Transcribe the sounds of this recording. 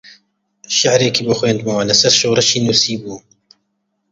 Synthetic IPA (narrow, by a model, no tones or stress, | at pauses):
ʃaʕɾeːkiːboxweːnd̪̚mawanɐsɐɾʃoːɾɐʃiːnuːsiːbuː